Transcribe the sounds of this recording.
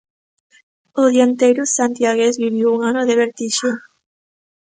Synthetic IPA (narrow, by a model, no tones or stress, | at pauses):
oðjant̪ejɾʊsant̪jaɣezβiβiwuŋanoðeβeɾt̪iʃo